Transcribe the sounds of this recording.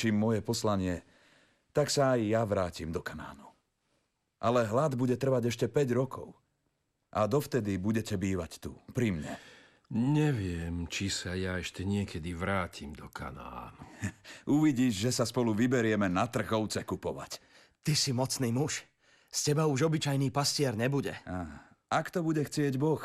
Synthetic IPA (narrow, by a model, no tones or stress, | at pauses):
t͡ʃiːmːɔjɛpɔslaɲɪɛ | t̪aksaːjjaʋɾaːcimd̪ɔkana̰ːnu | ʔalɛɦlad̪buɟɛt̪r̩ʋaɟɛʃcɛpɛɟɾɔkʰɔ̰ʊ | ʔad̪ɔft̪ɛd̪ibuɟɛcɛbiːʋact̪ṵpɾimɲɛ̰ | ɲɛʋɪɛmt͡ʃisajaɛʃcɛɲɪɛkʰɛd̪iʋɾaːcʰimd̪ɔkʰa̰na̰ːnuuʋiɟiːʒʒɛsaspɔluʋibɛɾɪɛmɛnat̪r̩ɣɔʊt͡sɛkupɔʋa̰c | t̪isimɔt͡sniːmuʃ | scɛbauʒɔbit͡ʃajniːpascɪɛɾɲɛbuɟɛ̰aː | akt̪ɔbuɟɛxt͡sɪɛɟbɔx